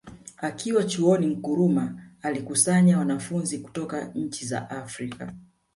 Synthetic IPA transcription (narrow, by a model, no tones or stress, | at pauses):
akʰiwat͡ʃuɔnim̩kuɾumaːlikusaɲawanafunziku̥tɔkaɲ̩t͡ʃiza̰ʔafɾika̰